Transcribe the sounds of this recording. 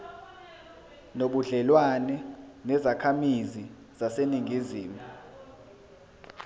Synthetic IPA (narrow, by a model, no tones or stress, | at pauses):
noɓuɮɛlwanɛnɛzakʰamizi | z̥aseniŋʱiziːmu